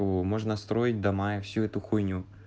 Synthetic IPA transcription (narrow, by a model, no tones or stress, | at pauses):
mɔʒnɐst̪ɾɔjɪt̚ʲd̪ɐmɑɪwsʲuɛt̪ʊxujnʲu